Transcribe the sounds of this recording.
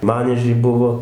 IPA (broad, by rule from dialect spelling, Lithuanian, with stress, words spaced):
ˈmɑːnʲiɛʒʲɛɪ ˈbʊʋoː